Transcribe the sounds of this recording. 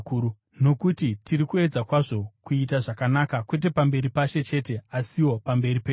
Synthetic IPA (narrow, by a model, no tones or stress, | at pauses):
kuu | no̞kutitirikue̞d͡zakwaʐo̞kuitaʐakanakakwe̞t̬e̞pambe̞ɾipaʃe̞t͡ʃe̞te̞asiwo̞pambe̞ɾipe